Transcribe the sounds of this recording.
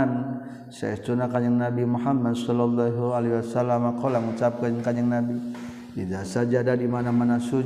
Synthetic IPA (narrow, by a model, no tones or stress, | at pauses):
n | sa̰jast̪unakaɲaŋnabimuɦamːadsɔlɔlːaɦualiwasalamakalaŋut͡ʃap̚kaɲŋkaɲaŋnabi | tidasad͡ʒadadimanamanasu